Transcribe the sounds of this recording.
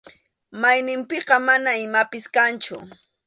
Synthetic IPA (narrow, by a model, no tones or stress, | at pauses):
majnɪmpɪqɑmanaɪmapɪskant͡ʃʊ̰